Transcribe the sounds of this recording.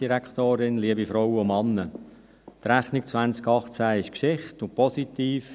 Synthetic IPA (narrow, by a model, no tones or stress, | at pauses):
d̥iɾækχt̪oːɾɪnliəbifɾɔwəʊmɑnːə | t̪ɾæχnikt͡sʋænt͡skɑχt͡sæɪʃkʃɪχtʊnpɔsitiːf